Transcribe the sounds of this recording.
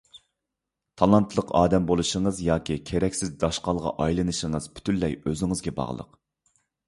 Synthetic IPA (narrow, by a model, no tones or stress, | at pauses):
t̪ʰɑlˠɑnt̪ʰlˠəqɑːd̪ɛmbolˠuʃəŋəzjɑːkʲʰikʲʰeɾɛkʲsɪzd̪ɑʃqɑlˠʁɑ̰ʔɑjlˠɨnɨʃəŋəzpʰy̥t̪ʰynlːɛjøzɪŋɨzɡʲɛbɑ̰ʁlˠə̰q